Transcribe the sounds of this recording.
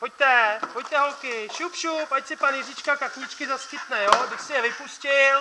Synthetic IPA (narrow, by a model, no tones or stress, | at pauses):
poc̚t̪ɛpoc̚t̪ɛɦolkɪʃupʃupacsɪpanjɛzɪt͡ʃkakakɲɪt͡ʃkɪzaskɪt̪nɛjoɡdɪʃsɪjɛvɪpuscɪl